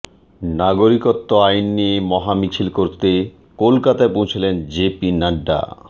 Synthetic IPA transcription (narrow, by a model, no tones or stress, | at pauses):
naɡoɾikot̪ːoajnːijemɔɦamit͡ɕʰilkoɾt̪e | kolkat̪aepõwt͡ɕʰilend͡ʑepinaɖːa̰